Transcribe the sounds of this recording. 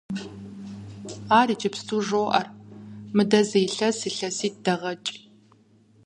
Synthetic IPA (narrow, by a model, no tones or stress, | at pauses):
aːɾiːt͡ʃʼɐpstʰuːʐoːʔɐrmɨdɐzejɬɐsiɬɐsiːtdɐʁɐt͡ʃʼ